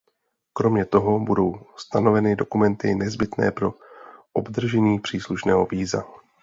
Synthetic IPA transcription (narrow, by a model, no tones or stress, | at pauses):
kɾo̞mɲɛt̪o̞ɦo̞budo̞wst̪ano̞vɛnɪdo̞kumɛnt̪ɪnɛzbɪt̪nɛ̰ːpɾo̞ʔobd̪r̩ʒɛɲiːpr̥iːsluʃnɛːɦo̞viːza̰